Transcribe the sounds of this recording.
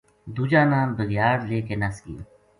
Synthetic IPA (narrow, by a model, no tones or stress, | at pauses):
d̪uːd͡ʒaːnaːmbəɣjaːɾleːkenɐskḭː